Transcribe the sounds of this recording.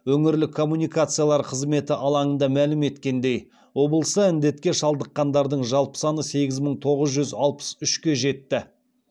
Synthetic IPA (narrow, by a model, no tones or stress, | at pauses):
wɵŋɪɾlɪkʰːo̞mːunijkat̪sɨjalˠɑɾqʰəzme̞t̪ɪʔɑlˠɑɴənd̪ɑmælɪme̞t̪kʲe̞nd̪e̞j | wo̞bəlˠəsəɪnd̪e̞t̪kʲe̞ʃɑlˠd̪əqːɑnd̪ɑɾd̪əɴʒɑlˠpə̥sɑnəse̞ɡʲɪzməɴt̪ʰo̞ʁəzʒʏzɑlˠpə̥sʏʃkʲe̞ʒe̞t̪ːɪ